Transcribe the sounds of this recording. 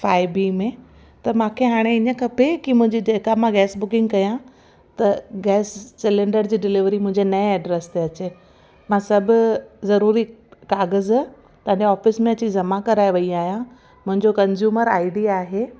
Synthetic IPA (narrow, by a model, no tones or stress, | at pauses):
faːɪbiːmẽ | t̪ɐmãːkʰeɦaːɽ̃eɪɲə̆kʰɐpekimʊ̃ɦɪ̃ɲd͡ʑid͡ʑeːkamãɡɛːsbʊkɪ̃ŋɡkɐjã | t̪ɐɡɛːssɪlẽɳɖəɾd͡ʑiːɖɪlɪʋɾimʊ̃ɦɪ̃ɲd͡ʑenɐẽɛːɖɾest̪eɐt͡ɕe | mãːsɐbʱʊzɐɾuːɾikaːɣəz | t̪ɐ̃ãɲd͡ʑeɔːfɪsmẽɐt͡ɕizɐmãkɐɾaːeʋɐiaːɦjã | mʊ̃ɦɪ̃ɲd͡ʑokɐ̃nzjuːməɾa̰ːɪɖiaːɦe